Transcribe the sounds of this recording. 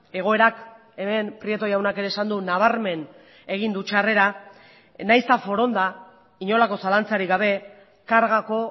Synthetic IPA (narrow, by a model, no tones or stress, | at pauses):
e̞ɣ̞o̞e̞ɾak | e̞me̞npɾie̞t̪o̞jawnake̞ɾe̞ːsand̪unaβ̞aɾme̞n | e̞ɣind̪ut͡ʃare̞ɾa | najst̪afo̞ɾo̞nd̪a | iɲo̞lako̞salant͡saɾiɡaβ̞e̞ | kaɾɣako̞